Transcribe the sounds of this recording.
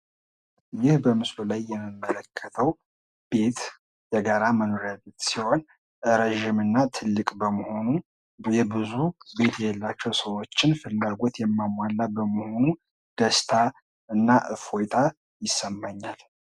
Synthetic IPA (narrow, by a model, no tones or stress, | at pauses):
jɪhbəmɨslulajːɛmːɨmːələkʰːət̪ʰəw | b̥e̞t̪ | jɛɡaɾaməno̞ɾalət̪siho̞n | ɾeʒimɨnːat̪ʰɨlːɨkʼbəməho̞nu | jɛbɨzube̞t̪jɛjɛlːat͡ʃːɛwsəwo̞t͡ʃːɪnfɨlːaɡo̞t̪jɛmːamwalːabəməho̞nu | d̪̥əst̪ʰa | ɨnːaʔɨfojt̪ʰa | jɪsəmːaɲːal